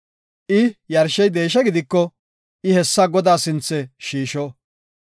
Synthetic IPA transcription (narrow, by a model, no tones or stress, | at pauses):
ʔɪjɐɾʃɛjd̪e̞ːʃ̬ɐɡɪd̪ɪkːɔ | ʔɪhɛsːɐɡɔd̪aːsɪnt͡sːɛʃiːʃɔ